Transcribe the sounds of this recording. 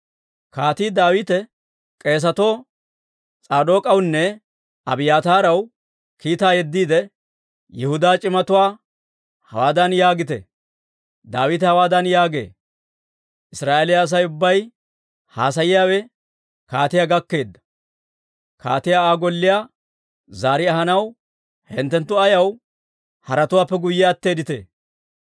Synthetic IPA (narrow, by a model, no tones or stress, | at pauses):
kaːt̪iːd̪aːwɪt̪ɛ | kʼe̞ːs̬ɐt̪o̞ː | t͡sʼaːd̪o̞ːkʼɐwnːɛ | ɐbɪjaːt̪aːɾɐw | kiːt̪aːjɛd̪ːiːd̪ɛ | jɛhʊd̪aːt͡ʃʼɪmɐt̪ʊwaː | hɐwaːd̪ɐnjaːɡɪt̪ɛ̰ | d̪aːwɪt̪ɛhɐwaːd̪ɐnjaːɡe̞̰ː | ʔɪsɾaːʔeːlɪjaːs̬ɐjʊbːɐj | haːs̬ɐjɪjaːwɛ | kaːt̪ɪjaːɡɐkːe̞ːd̪ːɐ̥ | ka̰ːt̪ɪjaːaːɡɔlːɪjaː | zaːɾɪɐɦɐnɐw | hɛ̰nt̪ːɛnt̪ːʊɐjɐw | hɐɾɐt̪ʊwaːpːɛɡʊjːɪjaːt̪ːeːd̪ɪt̪ḛː